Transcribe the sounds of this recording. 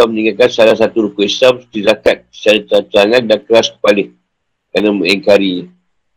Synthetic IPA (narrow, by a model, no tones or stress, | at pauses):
aməniŋakansalahsat̪uɾukuisamt̪izakat̪̚t͡ʃaɾit̪əat̪əɾaŋãndankəɾaskə̥palɪh | kananmuʔɛŋkaɾiɲ